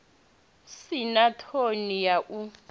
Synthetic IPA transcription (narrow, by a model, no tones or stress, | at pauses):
sinatʰonijaʔu